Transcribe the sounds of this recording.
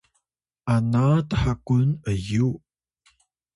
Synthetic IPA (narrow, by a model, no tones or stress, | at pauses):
ʔanatəħakunəju